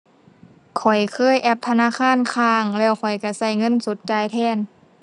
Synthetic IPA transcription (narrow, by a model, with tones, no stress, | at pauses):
kʰɔ˨˩jkʰɤː˧˥˨jʔɛ˧˩p̚t̪ʰa˧naː˧˥˨kʰaː˧˥˨nkʰaː˧ŋlɛː˧˩wkʰɔ˨˩jka˧˩sa˧˩jŋɤ˧˥˨nso˨˦t̪̚t͡ɕaː˨˧jt̪ʰɛː˧˩˨n